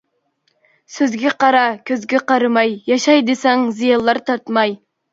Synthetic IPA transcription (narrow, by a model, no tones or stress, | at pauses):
søzɡʲɛqɑɾɑkʲʰøzɡʲɛqɑɾɨmɑjjɑʃɑjd̪esɑŋzijɑlˠːɑɾt̪ʰɑɾt̪mɑj